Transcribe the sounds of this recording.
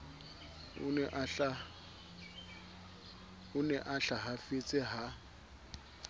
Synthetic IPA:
ʊ̰ɛʔa | ʊnɛʔaɬaɦafet͡sʼɪɦa

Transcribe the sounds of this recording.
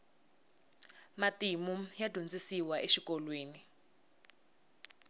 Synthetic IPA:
matimujadʱund͡zisiwaʔeʃikɔlweːni

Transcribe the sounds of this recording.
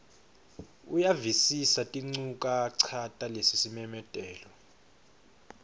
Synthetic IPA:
ujavisisatʼiŋ͡ǀukʼaǀʰatʼalesisimɛmɛtʼɛːlɔ

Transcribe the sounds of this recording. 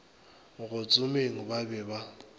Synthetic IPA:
ɣʊt͡sʼʊmeŋ̩babɛːba

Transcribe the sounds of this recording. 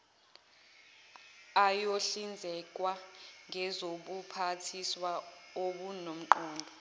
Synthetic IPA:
ajoɬind͡zʱɛk̬ʼwaŋʱɛzoɓupʰatʰiswaoɓunom̩ǃɔːndʱɔ

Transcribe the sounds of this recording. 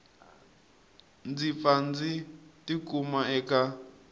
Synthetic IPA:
nd͡zifand͡zitikʼumaɛka

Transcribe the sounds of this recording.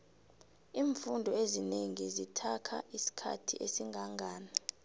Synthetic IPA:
iːɱfundʱɔezineŋizitʰakʰa̰ʔisi̥kʰa̰tʰḭʔesiŋɡʱaŋɡʱaːna

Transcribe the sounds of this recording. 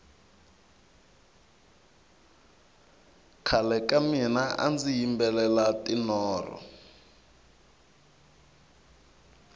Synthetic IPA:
kʰalɛkaminaʔa̰nd͡zijimbɛlɛlatʼinɔːrɔ̰

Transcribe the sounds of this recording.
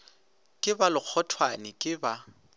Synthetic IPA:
kʼɪbalɪk͡xʰɔtʰwanɪkʼɪba

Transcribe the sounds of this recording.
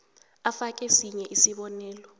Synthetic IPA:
afak̬ʼɛsiɲɛʔisiɓɔnɛːlɔ

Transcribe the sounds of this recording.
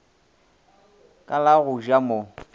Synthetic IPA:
kʼalaɣʊʒamo

